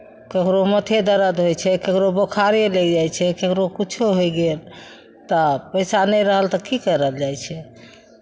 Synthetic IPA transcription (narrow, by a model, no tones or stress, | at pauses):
kekɾomət̪ʰed̪əɾəd̪ɦojt͡ʃʰɛkekɾobokʰaɾeled͡ʒajt͡ʃʰɛkekɾokit͡ʃʰoɦojɡel | t̪əpəjsanɛɾəɦəlt̪əkikəɾəld͡ʒajt͡ʃʰɛ